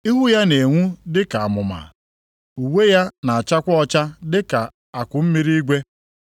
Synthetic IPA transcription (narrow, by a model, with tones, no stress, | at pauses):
i˦ɦʊ˦ja˦ne˨ŋʷu˦dɪ˦ka˨a˨mʊ˨ma̰˨ | u˨we˦ja˦na˨a˨t͡ʃa˦kʷɔ˦ɔ˦t͡ʃa˦dɪ˦ka˨ | a˨kʷʊ˨m̩˦mi˦ɾi˦i˦ɡʷe˦